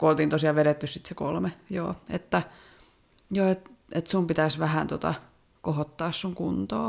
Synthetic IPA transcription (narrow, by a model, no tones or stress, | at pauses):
kuolt̪iːnt̪osiɑʋeɾet̪ːyssit̪seko̰lmejo̰ːḛt̪ːæ | joːet̪et̪sumpit̪æsʋæhænt̪ot̪ɑ̰ | kohot̪ːɑːssuŋkunt̪o̰ː